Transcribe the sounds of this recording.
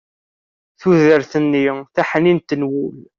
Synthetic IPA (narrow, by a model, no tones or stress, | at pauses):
θuðəɾθənːiθæħnint̪ːnwul